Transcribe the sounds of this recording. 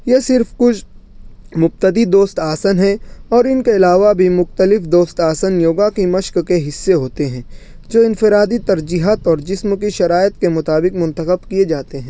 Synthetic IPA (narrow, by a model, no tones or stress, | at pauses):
jesɪɾfkʊt͡ʃʰ | mʊb̚t̪əd̪id̪oːst̪aːsənɦɛ̃ɔːɾɪnkeɪlaːʋabʱimʊxt̪əlɪfd̪oːst̪aːsənjoːɡakimɐʃkkeɦɪsːeɦoːt̪eɦɛ̃ː | d͡ʒoːɪ̃nfɪɾaːd̪it̪ɐɾd͡ʒiːɦaːt̪ɔːɾd͡ʒɪsmkiʃɐɾaːɪt̪kemʊt̪aːbɪkmʊ̃nt̪əxəbkied͡ʒaːt̪eɦɛ̃ː